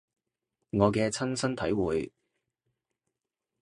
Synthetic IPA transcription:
ŋɔː˨˧kɛː˧t͡sʰɐ˥nsɐ˥nt̪ʰɐ˨˥jwuː˨j

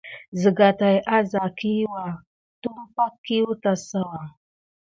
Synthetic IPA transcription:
zə˨ɡa˨ta˨jʔa˦za˨ki˦wa˨ | tu˦m˦pa˦kːi˦wu˦ta˨sa˦wa˨

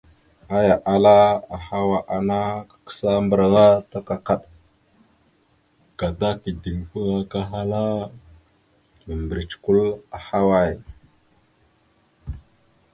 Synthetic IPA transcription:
a˦ja˨ʔa˨la˦a˨ha˦wa˨ʔa˨na˦kḁ˨kə̥˦sa˦mbə˨ɾɣa˦ta˦ka˨ka˦ɗ | ɡ̥a˨da˦ki˨di˨ŋfu˦ɣa˦ka˦ɦa˦la˦ | mə˨mbə˨ɾi˨t͡ʃku˦la˨ha˦wa˦˨j

